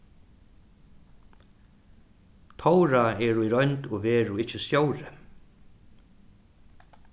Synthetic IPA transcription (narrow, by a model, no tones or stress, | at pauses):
t̪ʰowɾaɛɾuiɾœɥnt̪ɔɣvɛːɾuɪt͡ʃːɪsjowɾɪ